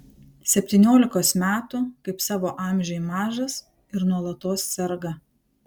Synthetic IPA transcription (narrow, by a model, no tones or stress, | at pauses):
sʲɛpʲt̪ʲinʲoːlʲɪkoːsmʲæːt̪ʊkɐɪpsɑːʋoːʔɑːˑmʲʒʲɛjmɑːʒɐs | ɪɾnuɔlˠɐt̪oːssʲɛɾɡɐ